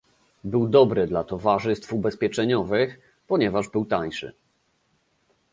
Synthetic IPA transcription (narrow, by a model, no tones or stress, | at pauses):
bɘwd̪ɔbɾɘd̪lat̪ɔvaʐɘst̪fubɛspʲjɛt͡ʂɛɲɔvɘx | pɔɲɛvaʐbɘwt̪aɲʂɘ̰